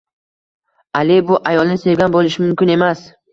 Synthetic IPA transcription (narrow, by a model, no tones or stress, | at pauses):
alɪbʊʔajɒlˠnɪse̞vɡʲanbolˠɪʃɪmʊmkʲɪne̞mas